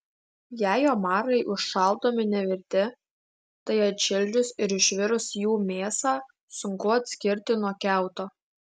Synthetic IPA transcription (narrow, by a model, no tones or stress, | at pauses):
jæːjoːmɑːɾɐɪʔʊʃʃɑlˠd̪oːmʲɪnʲɛʋʲɪɾʲt̪ʲɪ | t̪ɐɪɐt̪ʲʃʲɪlʲd͡ʒʲʊsɪɾɪʃʲʋʲɪɾʊsjuːmʲeːsɑː | sʊŋkʊɐt̪ʲsʲkʲɪɾʲt̪ʲɪnuɔkʲæˑʊt̪oː